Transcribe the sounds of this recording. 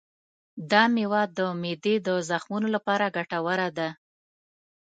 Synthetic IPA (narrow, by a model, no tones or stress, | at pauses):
d̪ɑmewɑd̪ːəmed̪ed̪əzaxmunolapɑɾaɡaʈawəɾad̪a